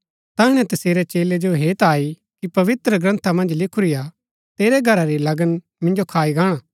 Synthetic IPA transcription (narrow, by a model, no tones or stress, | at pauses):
t̪aɦɪɽ̃ɛ̃t̪ɐseːɾɛt͡ʃeːled͡ʒoɦeːt̪aːi | kipɐʋɪt̪ɾəɡɾɐ̃nt̪ʰamɐ̃nd͡ʒlɪkʰuɾɪja | t̪eːɾɛɡʱɐɾaɾilɐɡən | mɪ̃nd͡ʒokʰaːiɡãːɽ̃aː